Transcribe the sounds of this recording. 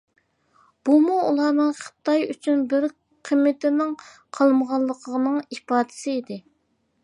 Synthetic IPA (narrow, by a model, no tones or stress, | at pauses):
b̥umuulˠɑːnɨŋχə̥t̪ɑjyt͡ʃʰynbɪɾ | qʰəmːɪt̪ɪnɪŋ | qʰɑlˠməʁɑlˠːəqʰəʁənɨŋipɑːd̪ɪ̥sɪid̪ɪ